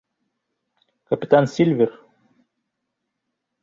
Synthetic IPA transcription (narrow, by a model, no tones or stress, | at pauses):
kɐpʲɪt̪ansʲilʲvʲɪr